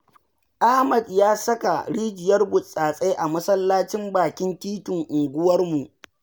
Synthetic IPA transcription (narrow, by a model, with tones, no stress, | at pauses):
ʔa˦hmɐ˨djaː˦sɐ˦ka˨ɽiː˦d͡ʒɪ˨jɐ˦rbʊ˨sʼaː˨sʼe˦ʔa˨mɐ˦sɐ˦lːaː˦t͡ʃɪ˦mbaː˨kʲɪ˦ntiː˦tʊ˨ŋʔʊ˨ɡʷʊ˦wɐ˦rmu˨ʔ